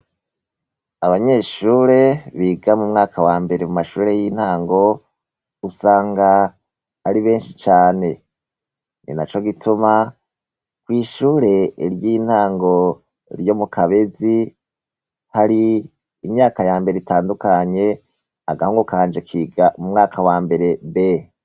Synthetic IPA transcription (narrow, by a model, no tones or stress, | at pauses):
aβaɲe̞ːʃuːɾe̞βiːɡamumŋaːkʰawaːmbe̞ɾemumaʃuːɾe̞jiːn̥haːŋɡo̞ | usaːŋɡaː | ɾiβe̞ːnʃit͡ʃaːne̞ | nḭnat͡ʃo̞ɡitʰuma | kwiːʃuːɾe̞ɾjiːn̥haːŋɡo̞ | ɾjo̞mukʰaβe̞zi | haɾiː | mɲaːkajaːmbe̞ɾeitaːndukaɲe̞ | aɡahoŋɡokaːnd͡ʒe̞kʰiːɡamumŋaːkʰawaːmbe̞ɾe̞βe